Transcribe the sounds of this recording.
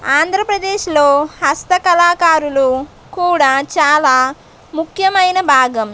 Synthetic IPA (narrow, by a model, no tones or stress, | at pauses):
aːnd̪ʱɾɐpɾɐd̪eːʃlo̞ːhɐst̪ɐkɐlaːkaːɾulu | kuːɽaːt͡ʃaːlaː | mukʰjɐmɐjnɐbʱaːɡɐm